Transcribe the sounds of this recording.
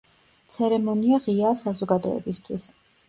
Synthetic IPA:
t̪sʰɛɾɛmɔniaʁiaːsazɔɡad̪ɔ̰ɛ̰bist̪ʰwis

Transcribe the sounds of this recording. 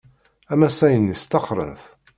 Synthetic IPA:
æmæsæjənːist̪ɑχɾˤə̰nθ

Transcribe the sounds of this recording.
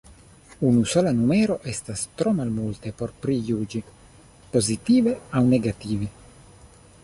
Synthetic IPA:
unusolanumeːɾoʔest̪ast̪ɾomalmult̪epoɾpɾijuːd͡ʒi | pozit̪iːveawneɡat̪iːvi

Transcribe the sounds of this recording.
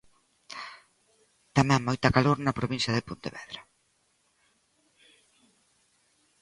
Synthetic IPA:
t̪amɛ̃ŋmojt̪ɐkaloɾnɐpɾoβinsjɐðɪpont̪eβɛðɾa

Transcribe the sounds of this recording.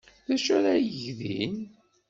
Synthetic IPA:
θæʃæɾajəʝðin

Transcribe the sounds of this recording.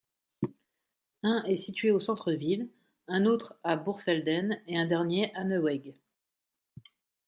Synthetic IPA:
ɛ̃ʔɛsit̪ɥeosɑ̃t̪χəvil | ɛ̃not̪χabuʁfɛld̪ɛneɛ̃d̪ɛʁnjeʔanəwɛɡ

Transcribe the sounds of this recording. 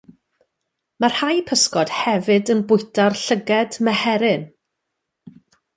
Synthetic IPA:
marhajpʰəskɔd̥hɛvɨdənbʊjtarɬəɡɛdmɛhɛɾɪn

